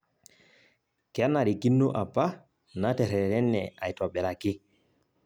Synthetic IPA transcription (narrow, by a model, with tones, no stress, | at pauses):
kɛ˦nːa˨ɾi˨ki˦nːu˦ʔa˨pːa˦ | na˦tɛ˨ɾɛ˨ɾɛ˦nːɛ˨a˨jtɔ˨ɓɛ˨la˨ki˦